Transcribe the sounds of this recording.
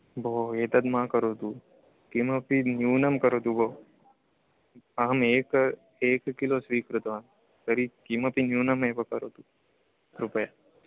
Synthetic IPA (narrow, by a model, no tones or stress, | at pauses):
boːeːt̪ɐd̪mãːkɐɾoːt̪u | kimɐpinjuːnɐmkɐɾoːt̪uboː | ɐɦɐmeːk | eːkkːilosʋiːkɾut̪ʋaːn | k̪əɾikimɐpinjuːnɐmeːpɐkɐɾoːt̪u | ɾʊpəjaː